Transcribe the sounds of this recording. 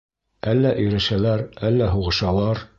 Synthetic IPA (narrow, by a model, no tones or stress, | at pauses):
ælːæʔɵ̆jɾæ̆ʃælæɾælːæɦuʁɤ̆ʃɑlˠɑɾ